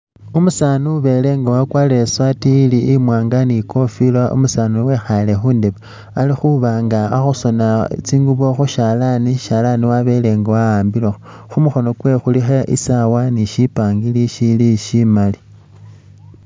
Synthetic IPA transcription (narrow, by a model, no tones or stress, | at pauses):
umusaːnuβe̞le̞ŋɡawakwale̞swatiliːmwaːŋɡanikʰo̞filaʔṵmusanuwe̞xale̞xuːndeβa | alixuβaːŋɡaːxuso̞nat͡siːŋɡuβoxuʃalaniʃalaniwaβe̞leŋɡawaaːmbilexoxumuxo̞no̞kwe̞xulixeʔḭsawaniʃipaːŋɡiliʃiliʃimali